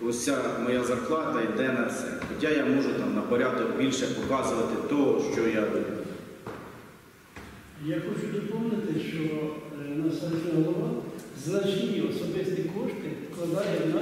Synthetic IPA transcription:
ɔsʲamɔjazɐrklˠɑd̪ɐjd̪ɛnɐfsɛ̰ɔdʲajamɔʒʊt̪ɑmnɐpɔɾʲad̪ɔkbʲilʲʃɛpɔkɑzʊʋɐt̪ɪt̪ɔɦɔʃt͡ʃɔjad̪umʊ | jaxɔt͡ʃʊd̪ɔpɔwnɪt̪ɪʃt͡ʃɔnɐsɐsʲɦɔlˠɔʋɑznɐt͡ʃnʲiɔsɔbɪst̪ikɔʃt̪ɪklˠɐd̪ɑjɐn

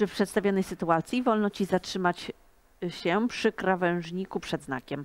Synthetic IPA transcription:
ʂɘfpʂɛt̪st̪avʲjɔnɛjsɘt̪uat̪sʲjivɔlnɔt͡ɕizatʂɘmat͡ɕ | ɕɛpʂɘkɾavɛ̃w̃ʐɲikupʂɛd̪zna̰kʲɛm

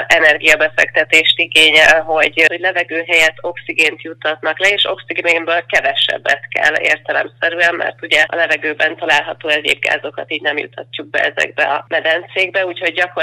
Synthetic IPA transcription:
ɛnɛrɡijɒbɛfɛ̰kt̪ɛt̪eːʃt̪iɡeːɲɛlɦo̞ɟhoɟlɛvɛɡøːɦɛjɛt̪ʰːo̞ksiɡeːnt̪jut̪ʰːɒt̪nɒklɛeːʃo̞̰ksiɡembøːlkɛvɛʃɛ̰bːɛt̪kɛ̰lːḛːrt̪ɛlɛ̰msɛɾyɛmmɛ̰rt̪uɟɛɒ̰lɛvɛɡøːbɛnt̪ɒlaːlɦɒt̪oːɛɟḛːbɡa̰ːzo̞kɒt̪iːɟnɛmjṵt̪ʰːɒcːuk̚bɛ̰ɛzɛ̰ɡ̚bɛɒmɛd̪ɛnt̪seːɡ̚bɛuːcho̞ɟːɒko

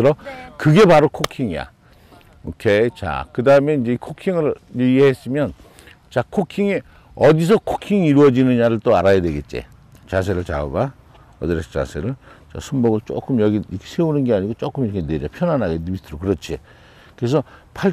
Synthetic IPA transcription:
ɯɾʌkɯɡe̞paɾokʰokʰiŋija̰ | okʰet͡ɕa̰kɯdaɯmeind͡ʑe̞ikʰokʰiŋɯɾiieɦes͈ɯmjʌn | t͡ɕakʰokʰiŋi | ʌdis̬ʰʌkʰokʰiŋiɾuʌd͡ʑinɯnjaɾɯɭt͈oaɾajadwe̞ɡe̞t̚t͡ɕ͈ḛ | t͡ɕas̬ʰe̞ɾɯɭt͡ɕa̰oba | ʌ̰d̪ɯɾesʰt͡ɕa̰sʰeɾɯɭt͡ɕa̰sʰumboɡɯɭt͡ɕ͈o̰k͈ɯmjʌɡiiʌkʰesʰe̞unɯnɡe̞aɲiɡot͡ɕ͈ok͈ɯmiɾʌkʰeneɾʌpʰjʌnanɦaɡenmit͈ʰɯɾokɯɾʌt͡ɕʰḛ | kɯɾes̬ʰʌpʰa

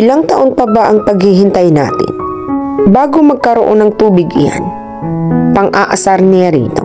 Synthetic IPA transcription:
ʔɪlaŋt̪ɐʔoŋpɐbaʔɐŋpɐɡhɪɦɪnt̪ajna̰ːt̪ɪ̰n | baːɡomɐɡ̚kɐɾoʔonɐŋt̪uːbɪɡʔɪja̰n | pɐŋʔaʔɐsaɾnɪaɾḭːt̪o̰

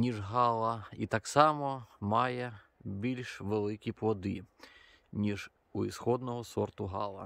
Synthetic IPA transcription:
nʲiʒɦɑlˠɐit̪ɑksɑmɔmɑjɛbʲilʲʃʋelˠɪkʲipʋɔd̪ɪ | nʲiʒ | uisxɔd̪nɔɦɔsɔrt̪ʊɦɑ̰lˠɐ̰

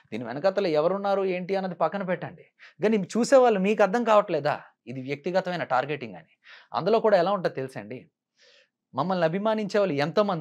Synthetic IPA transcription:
d̪ḭːniʋɛnɐkɐt̪ːɐloːɛʋɐɾunːaːɾue̞ːɳʈiɐnːɐd̪ipɐkːɐnɐpɛʈːɐɳɖi | ɡɐnit͡ʃuːsɛːʋaːɭːumiːk̬ɐɾd̪ʱɐŋkaːʋɐʈlɛːd̪a̰ː | id̪iʋjɐk̚t̪iɡɐt̪ɐʋɐjnɐʈaːɾɡeʈːiŋɡa̰ːni | ɐ̰nd̪ulo̞ːkuːɽaːɛlaːuɳʈaːd̪it̪elisɐ̰ːɳɖi | mɐmːɐlniɐbʱimaːniɲt͡ʃɛːʋaːlːuɛnt̪oːmɐnd̪

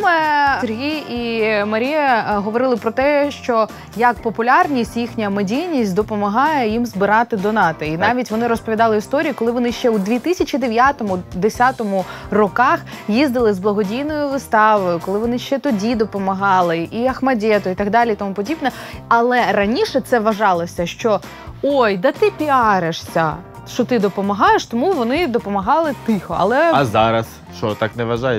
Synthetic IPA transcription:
mɛserɦʲijimɐɾʲijɐɦɔʋɔɾɪlˠɪpɾɔt̪ɛʃt͡ʃɔ | jɐk̚pɔpʊlʲɑrnʲisʲtʲjixnʲɐmɪdʲijnʲisʲtʲd̪ɔpɔmɐɦɑjɛjimzbɪɾɑt̪ɪd̪ɔnɑt̪ɐinɑʋʲitʲʋɔnɪɾɔspɔʋʲid̪ɑlˠɪist̪ɔɾʲijikɔlˠɪʋɔnɪʃt͡ʃɛwd̪ʋʲit̪ɪsʲɐt͡ʃid̪eʋʲjat̪ɔmʊd̪esʲat̪ɔmʊrɔkɑxjizd̪ɪlˠɪzblˠɐɦɔdʲijnɔjʊʋɪst̪ɑʋɔjʊkɔlˠɪʋɔnɪʃt͡ʃɛt̪ɔdʲid̪ɔpɔmɐɦɑlˠɪiɐxmɐdʲɛt̪ʊit̪ɐɡd̪ɑlʲiit̪ɔmupɔdʲibnɛɐlˠɛɾɐnʲiʃɛt̪sɛʋɐʒɑlˠɔsʲɐʃt͡ʃɔ | ojd̪ɐt̪ɪpʲiɑɾeʂsʲɐ | ʃt͡ʃɔt̪ɪd̪ɔpɔmɐɦɑjeʃt̪ɔmuʋɔnɪd̪ɔpɔmɐɦɑlˠɪt̪ɪxɔɐ̰lˠɛɐzɑɾɐs | ʃt͡ʃɔt̪ɑknɛʋɐʒɑjɛ

